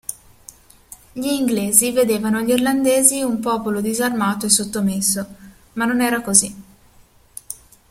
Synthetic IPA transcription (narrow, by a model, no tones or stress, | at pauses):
ʎiːŋɡleːzived̪eːvanoaʎːirland̪eːziumpɔːpolod̪izarmaːt̪oesːot̪ːomesːo | manːonɛːɾakozi